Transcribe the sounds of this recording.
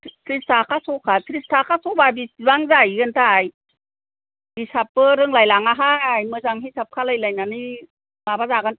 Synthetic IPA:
kɾistakʰasɔkʰakɾistʰakʰasɔbabibaŋzajɡɯntʰaj | bisap̚ːɯɾɯŋlajlaŋaɦajmɯzaŋɦisap̚kʰalajlajnani | mabazaɡɯn

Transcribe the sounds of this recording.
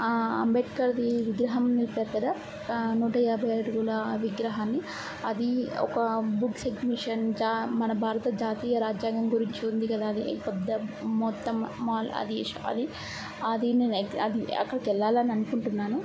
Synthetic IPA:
ɐ̰mbeʈkɐɾɐd̪iʋiɡɾɐɦɐmnilipeːɾukɐd̪aː | nuːʈɐjaːbʱɐjɐjɽuɡuːlɐʋiɡɾɐɦaːnːi | ɐd̪iɔ̰kɐbuɡseɡmiʂɐnd͡ʒaːmɐnɐbʱaːɾɐt̪ɐd͡ʒaːt̪iːjɐɾaːd͡ʒjaːɡɐmɡuɾiɲt͡ʃiund̪ikɐd̪aːɐd̪ipɛd̪ːɐmɔt̪ːɐmːaːlɐ̰d̪ḭʂɐ̰ɐ̰d̪i | ɐd̪ineːneɐd̪iɐ̰kːɐɽɐkɛlːaːlɐniɐnukuɳʈunːaːnu

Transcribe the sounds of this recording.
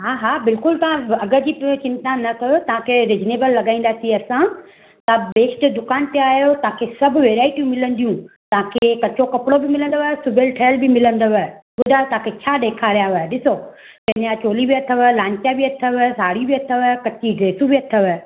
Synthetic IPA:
ɦaɦaːbɪlkʊlt̪ɐʋ̤ãɐɡəd͡ʑiːpt͡ɕɪ̃nt̪nãnɐt̪ʰɐjot̪ɐʋãkʰeɾed͡ʑneːbəlːɐɡaːĩnd̪aːsĩɐsã | t̪ːbeːsʈd̪ʊkaːnt̪eaːɦjot̪ɐɦãkʰesɐbʱʋeːɾaːɪʈijũmɪlə̃nd̪ijũt̪ɐʋãkʰekɐt͡ɕokɐpɽobɪmɪlə̃nd̪oʋsʊbʱelʈʰeːlbɪmɪlə̃nd̪oʋəɓʊd̪ʱaːot̪ɐɦãkʰet͡ɕʰaːɗ̪eːkʰaɾijaʋɐɗɪso | t̪ɐ̃njat͡ɕoːlibiɐt̪ʰəʋlãːɲt͡ɕjabiɐt̪ʰəʋsaːɽibiɐt̪ʰəʋkɐt͡ɕiɡɾeːsũbɪɐt̪ʰəʋə

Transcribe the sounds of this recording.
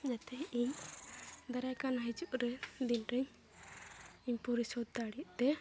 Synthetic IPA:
d͡ʒat̪ɛiɲ | d̪aɾajkanaɦid͡ʒuʔɾɛd̪inɾɛɲ | iɲpɔɾisɔd̪̚d̪aɽiuʔt̪ɛ

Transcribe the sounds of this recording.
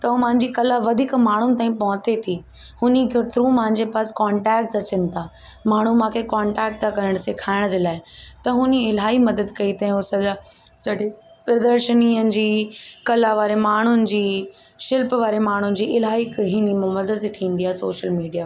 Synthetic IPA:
t̪ɐmãɦɪ̃ɲd͡ʑikɐlaʋɐd̪ʱiːkmaːɳ̤ʊnɪ̆t̪aːĩpɐɦʊ̃t̪et̪ʰi | hʊnikʰet̪ʰɾũːmãɦɪ̃ɲd͡ʑepaːskaːɳʈɛːk̚ʈzɐt͡ɕənɪ̆t̪ʰa | maːɳ̤umãːkʰekãːɳʈɛːk̚ʈt̪ʰakɐɾəɽ̃sekʰaːɪɽ̃əd͡ʑeːlaːɪt̪ɐɦʊniɪlaːimɐd̪əd̪kɐit̪ɐ̃ɦĩʊsɐa | sɐɖi | pɾɐd̪əɾʃəniːənɪ̆d͡ʑiːkɐlaʋaːɾemaːɳ̤ʊnɪ̆d͡ʑiː | ʃɪlpʋaːɾemaːɳ̤ʊnɪ̆d͡ʑiːʔɪlɦaːikɦɪnim̃mɐd̪əd̪t̪ʰĩːn̆d̪iaːɦsoːʃəlmiːɖijaː

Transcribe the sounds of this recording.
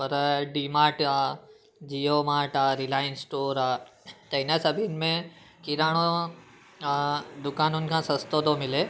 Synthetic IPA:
pɐɾɖimaːʈa | d͡ʒijomaːʈaɾilaːjənsʈoːɾat͡ʃɐɪnasɐbʱinmẽ | kiɾaːɽ̃o | d̪ʊkaːnunkʰãsɐ̃st̪oːd̪õmɪle

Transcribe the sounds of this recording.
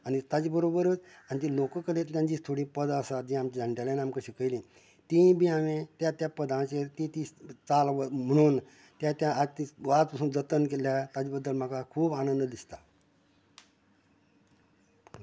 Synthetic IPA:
anit̪ad͡ʑibəɾobəɾut͡sanit̪ilokəkəlet̪ljãɲd͡ʑist̪ʰoɽiːpəd̪əsad͡ʑĩamt͡ɕid͡zʱãɳʈalaniamkəɕikəjlĩ | t̪ĩbʱiaʋẽt̪jat̪japəd̪ãt͡ɕet̪ĩt̪it͡saləm̤əɽ̃uːn | t̪jat̪jãat̪iʋat̪pasuːnd͡zət̪ənk̬eljat̪ad͡ʑibəd̪ːəlm̤akakʰuːbañə̃nd̪d̪ist̪a

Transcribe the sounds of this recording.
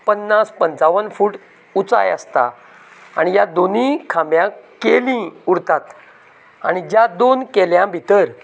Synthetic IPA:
pənːaspənt͡saʋənfuːʈ | ut͡sa̰jə̰st̪a̰ | a̰ɽ̃ijad̪onĩkʰamjãkelĩuɽt̪at̪ | aɽid͡ʑjad̪onkeljãbʱit̪əɾ

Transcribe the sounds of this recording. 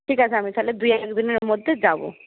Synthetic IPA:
ʈʰikat͡ɕʰeamit̪ʰaled̪ujalɛkd̪ineɾmod̪ʱːed͡ʑabo̰

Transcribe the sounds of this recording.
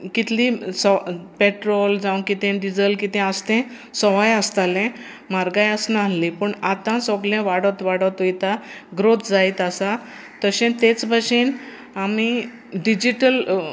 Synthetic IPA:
kit̪ʰlisɔpeʈɾold͡zaw̃kit̪ɛ̃ɖid͡zəlkit̪ɛ̃əst̪ɛ̃ | sɔʋajəst̪alɛ̃ | maɾɡajasnallipəɳat̪ãsɔɡlɛ̃ʋaɽət̪ʋaɽət̪ojt̪aɡɾot̪d͡zajt̪asa | t̪əɕẽt̪et͡sbʱaɕiːn | ami | ɖid͡ʑiʈəl

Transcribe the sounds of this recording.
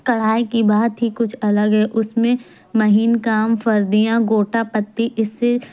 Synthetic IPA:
kɐɽ̤aːikibaːt̪ɦikʊt͡ʃʰɐləɡɦɛːʔʊsmẽ | mɐɦiːnkaːmfɐɾd̪ijãɡoːʈapɐt̪ːiʔɪsːe

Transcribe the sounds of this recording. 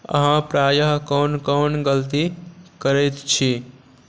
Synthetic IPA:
ə̰ɦãpɾajəɦkonkɔnɡəlt̪ikəɾɛjt̪t͡ʃʰi

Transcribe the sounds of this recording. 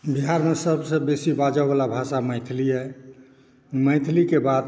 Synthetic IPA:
biɦaɾmesəbsə̃besibad͡ʒəbalabʱasaməɪt̪ʰliɦɛ | məɪt̪ʰlikebad̪

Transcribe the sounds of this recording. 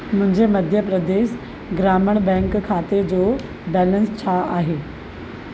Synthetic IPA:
mʊ̃ɦɪ̃ɲd͡ʑemɐd̪ʱjəpɾəd̪eːs | ɡɾaːməɽ̃bɛ̃ːŋkkʰaːt̪ed͡ʑoː | bɛːlə̃nst͡ɕʰaaːɦeː

